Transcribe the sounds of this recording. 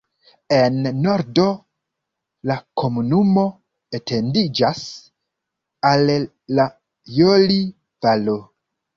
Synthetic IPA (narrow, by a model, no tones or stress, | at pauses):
e̞nːo̞ɾdo̞ | lakʰo̞munumo̞ | ete̞ndid͡ʒas | alː | a | joli | valo